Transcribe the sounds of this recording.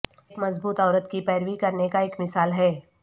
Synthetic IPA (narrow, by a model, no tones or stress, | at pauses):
kmɐzbuːt̪ɔːɾət̪kipɛːɾʋikɐɾnekaeːkmɪsaːlɦɛː